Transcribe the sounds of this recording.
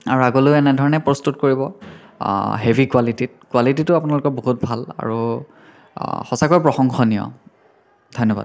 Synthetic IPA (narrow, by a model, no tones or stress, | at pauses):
a̰ɹuaɡoloɛnɛdʱɔɹɔnɛpɹɔstutkoɹibɔ | ɦebʱikwalitit̚kwalititʊapʊnalʊkɔɹboɦut̚bʱala̰ɹu | xɔsakojpɹɔxɔŋxɔnijɔ̰ | dʱojnːɔba̰d